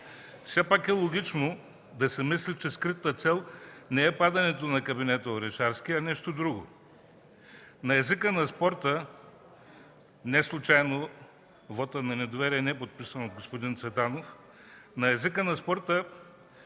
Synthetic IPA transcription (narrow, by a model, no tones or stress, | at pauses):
fsɛpakɛlˠoɡ̟ʲit͡ʃno | d̪ɐsɛmislʲit͡ʃɛskɾit̪ət̪sɛlˠnɛɛpad̪ɐnɛt̪onɐkɐbinɛt̪əoɾɛʃaɾsk̟iɐnɛʃt̪od̪ɾuɡo̰ | nɐɛzikənɐspɔɾt̪ə | nɛslˠʊt͡ʃajno | vɔt̪ənɐnɛd̪ovɛɾiɛnɛɛpot̪̚pisənod̪ɡospod̪int̪svɛt̪anof | nɐɛzikənɐspɔɾt̪ə